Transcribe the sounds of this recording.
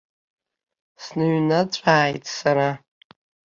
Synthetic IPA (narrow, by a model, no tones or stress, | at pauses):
snɨɥnat͡sʷʼaːjtʼʰsaɾa